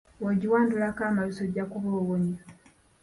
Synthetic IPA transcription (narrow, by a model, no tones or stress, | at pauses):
woɟiwaːndulakaːmalusoɟakuβoːɣoɲa